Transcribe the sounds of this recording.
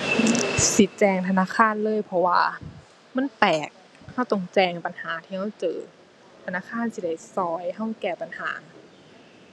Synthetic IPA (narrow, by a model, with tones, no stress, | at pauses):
si˧˦t̪̚t͡ɕɛː˧˩ŋt̪ʰa˧naː˧˥˨kʰaː˧˥˨nlɤː˧˥˨jpʰɔ˧wa̰ː˧ | ma˧˥˨npɛː˨˩k̚ | ha˧˥˩wt̪ɔ˧˩ŋt͡ɕɛː˧˩ŋpa˨nhaː˨˦t̪ʰiː˧ha˧˥˩wt͡ɕɤː˧ | t̪ʰa˧naː˧˥˨kʰaː˧˥˨nsi˧da˧˥˩jsɔː˧˩jɦa˧˩wkɛː˧˩pa˨nha̰ː˩˦